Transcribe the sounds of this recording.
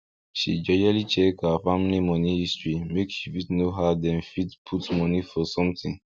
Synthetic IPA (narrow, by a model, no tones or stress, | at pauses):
ʃḭd͡ʒɛd͡ʒalit͡ʃɛkafamilimɔnihistɹimekʃifidnoɦadɛ̃nfidpʰutmɔnifɔsɔ̃mtĩn